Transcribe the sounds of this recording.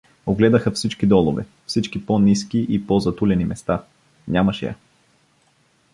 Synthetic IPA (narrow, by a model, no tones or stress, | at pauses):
oɡlɛd̪ɐxɐfsit͡ʃkid̪ɔlˠovɛ̰ | fsit͡ʃkiponiskiʔipɔzɐt̪ulʲɛnimɛst̪a | ɲʲamɐʃɛ̰jɐ̰